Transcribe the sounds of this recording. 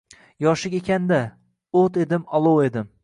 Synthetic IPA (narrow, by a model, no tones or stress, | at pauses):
jɒʃɪkʲekʲand̪a | ot̪e̞d̪ɪmɒlˠowe̞d̪ɪm